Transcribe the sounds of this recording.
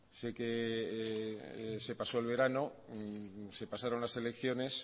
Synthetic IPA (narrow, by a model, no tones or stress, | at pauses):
se̞ke̞ | se̞paso̞elβ̞e̞ɾano̞ | se̞pasaɾo̞nlase̞lekθjo̞ne̞s